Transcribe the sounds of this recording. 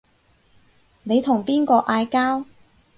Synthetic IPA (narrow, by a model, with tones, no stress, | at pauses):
ne˨˧jt̪ʰʊ˨˩ŋpiː˥nkɔː˧ʔaː˧jkaː˥w